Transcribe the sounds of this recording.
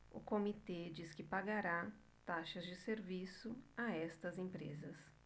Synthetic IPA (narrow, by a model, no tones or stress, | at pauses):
ʊ̰komit̪ed͡ʒiskɪpaɡaɾa | t̪aʃɐzd͡ʒɪseɾvisʊaɛst̪ɐzẽpɾḛzɐs